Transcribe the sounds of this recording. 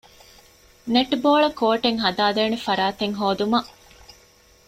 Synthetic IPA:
neʈboːɭɐkoːʈeŋɦɐd̪aːd̪eːnefɐɾaːt̪eŋɦoːd̪umɐ

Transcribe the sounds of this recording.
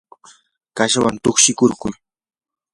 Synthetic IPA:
kaʃawant̪oχʃɪkʊɾkʊj

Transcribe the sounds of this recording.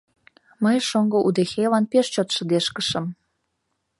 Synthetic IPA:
məjʃoŋɡŏʔud̪exelɑnpeʃt͡ɕot̪ʃə̆d̪eʃkəʃə̆m

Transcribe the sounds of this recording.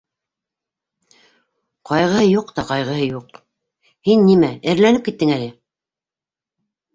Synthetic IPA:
qɑjʁɤ̆hɤjuqt̪ɑqɑjʁɤ̆hɤjuq | hinːimæɘ̆ɾlænɘp̚kit̪ːɘŋælɘ

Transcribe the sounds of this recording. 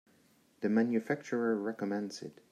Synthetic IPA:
ðɨmæ̃njɨfæk̚t͡ʃəɹəɹɛkəmɛ̃ndsɪ̰t

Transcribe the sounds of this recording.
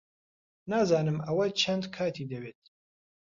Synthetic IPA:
naːzaːnɨmɐwɐt͡ʃʰɐnd̪kʰaːt̪ʰiːd̪ɐweːt̪̚

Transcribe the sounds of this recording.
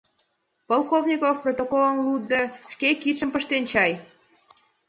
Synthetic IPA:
polˠkovnʲikofprot̪okolənlud̪ːeʃkekit̪ʃəmpəʃt̪ent͡ɕɑj

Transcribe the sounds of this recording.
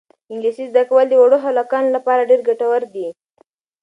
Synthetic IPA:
ɪŋɡlisizd̪akawəld̪əwaɽoɦalɑkɑnolapɑɾaɖeɾɡaʈawəɾd̪i

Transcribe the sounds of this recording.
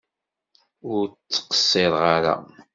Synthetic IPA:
ʊɾt͡sːə̥qə̥sːeðˤʁaɾa̰

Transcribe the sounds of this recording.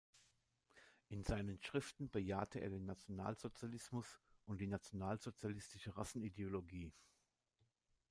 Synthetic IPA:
ʔɪnzaɪnənʃʁ̥ɪftn̩bəja̰ːtʰəʔḛɐdeːnːat͡sjona̰ːlz̥ot͡sjalɪsmʊsʔʊnt̚d̥iːnat͡sjonaːlzot͡sjalɪstɪʃəʁasn̩ideoloɡiː

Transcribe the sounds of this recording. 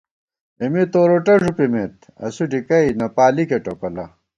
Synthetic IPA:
imit̪oːɾoʈɐʐupimet̪̚ | ɐ̰suɖikɐinɐpaːlikeʈokɐlɐ

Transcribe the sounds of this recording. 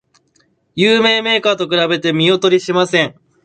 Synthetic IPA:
jɯːme̞ːme̞ːkaːt̪o̞k̬ɯ̟ɾabe̞t̪e̞mʲio̞t̪o̞ɾʲiɕimasẽ̞ɴ

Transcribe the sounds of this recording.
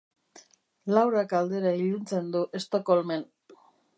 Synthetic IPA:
lawɾakald̪e̞ɾaiʎunt͡se̞nd̪uʔe̞st̪okolmen

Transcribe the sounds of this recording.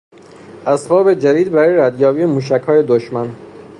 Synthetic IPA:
ʔæsbɒːbe̞d͡ʒæd̪iːd̪bæɾɒːjeɾæd̪jɒːbiːemuːʃ̬æcʰhɒːje̞d̪oʃmæn

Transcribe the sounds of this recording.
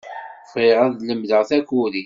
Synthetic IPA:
fʁiʁæðləmðəʁθækuli

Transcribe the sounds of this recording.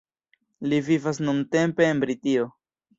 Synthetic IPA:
livivas̬nunte̞mpe̞ːnbɾitio̞

